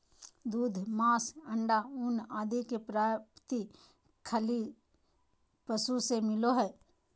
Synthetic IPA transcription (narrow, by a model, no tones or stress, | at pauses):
d̪uːd̪ʱmaːsəɳɖaʊnaːd̪ikepɾaːpt̪i | kʰəli | pəsusemɪloɦɛː